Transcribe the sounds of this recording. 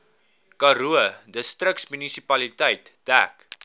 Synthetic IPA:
kɐɾuədəstrəksmynisipɐlitəjtd̥æ̰k

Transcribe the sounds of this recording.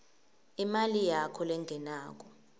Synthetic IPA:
imalijakʰɔlɛŋɡʱɛnaːk̬ʼɔ

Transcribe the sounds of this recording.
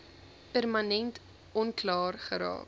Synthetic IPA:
pærmɐnɛnt | ɔnklɑːrχəɾɑ̰ːk

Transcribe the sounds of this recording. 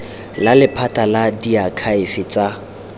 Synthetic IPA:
lalɪpʰatʼaladiakʰaɪfɪt͡sʼa

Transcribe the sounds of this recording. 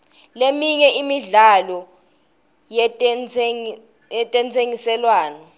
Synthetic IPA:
lemiɲɛʔimiɮalɔ | jɛ | jɛtʼɛnt͡sʰʼeŋisɛlwaːnɔ

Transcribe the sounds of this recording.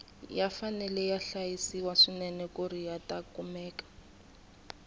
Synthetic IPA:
jafanɛlɛjaɬajisiwaʂinɛnɛkʼuɾijatʼakumɛːkḁ

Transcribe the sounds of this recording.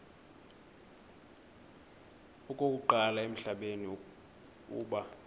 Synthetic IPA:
ukʼokʼuǃalaem̩ɬaɓeni | ṵːɓa

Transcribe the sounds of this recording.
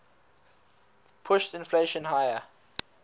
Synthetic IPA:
pʰʊʃtɪ̃nfleʃə̃nhajə

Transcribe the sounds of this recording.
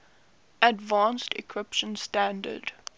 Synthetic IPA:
ədvãnstɪkʰɹɪpʃə̃nstæ̃ndə̰d

